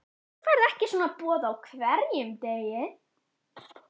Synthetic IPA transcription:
vaːɾðɛhcɪsɔːnapɔːðaːwkʰvɛɾjʏmt̪ejɪ

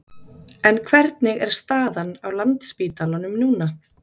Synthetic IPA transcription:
ɛnkʰvɛɾt̪nɪɣɛ̰ɾ̥st̪aːðanawlant̪spiːt̪alanʏmnuːna

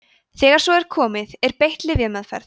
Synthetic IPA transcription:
θɛːɣaɾ̥sɔɛɾ̥kʰɔːmɪðɛɾpejht̪lɪðjamaðfɛ̰ɾð

